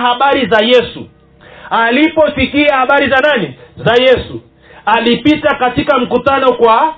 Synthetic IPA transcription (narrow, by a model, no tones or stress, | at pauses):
haɓaɾizajɛsu | alipɔsikiahaɓaɾizananizajɛsu | alipitakatikam̩kutanɔkwa